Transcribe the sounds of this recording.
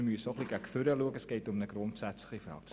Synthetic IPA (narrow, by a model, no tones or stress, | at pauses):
myəsoχliɡækføɾəluəkəsɡ̥eɪtʊmnəɡɾʊntsætt͡sləχəfrɑ̰ːk̚s